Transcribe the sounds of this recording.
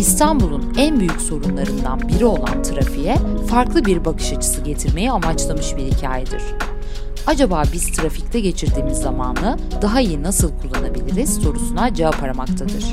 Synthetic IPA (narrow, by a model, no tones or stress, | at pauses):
ist̪ʰanbulˠunænbyjycso̞ɾunlˠaɾɯnd̪a̰nbiɾio̞lˠa̰nt̪ʰɯɾafijɛfaɾklˠɯbiɾbakʰɯ̥ʃat͡ʃʰɯ̥sɯɟe̞t̪ʰiɾme̞jɛamat͡ʃlˠamɯʃbiɾhicʰaːjɛd̪iɾ̝̥ | ad͡ʒabaːbiz̥t̪ʰɾafict̪ʰɛɟe̞t͡ʃʰiɾd̪iːmizːamaːnˠɯ | d̪̥aɦaijinasɯlˠkʰulˠːanabilʲiɾiz̥so̞ɾusunad͡ʒaapʰaɾamak̚t̪ʰad̪ɯɾ̥